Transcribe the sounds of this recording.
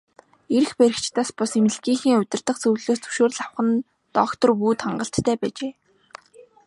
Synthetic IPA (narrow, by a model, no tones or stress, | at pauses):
eɾɘ̆xpeɾɪ̆kt͡ɕt̪aːspʊsemɘ̆ɮɡiːŋxiːŋʊt̪ʲɪ̆rt̪ə̆χt͡suwɮoːst͡sɵ̥ʃoːr̆ɮawχə̆n | t̪ɔkt̪ɞ̆rpuːt̪χaɴɢə̆ɬt̪ːʰæːpæːt͡ɕeː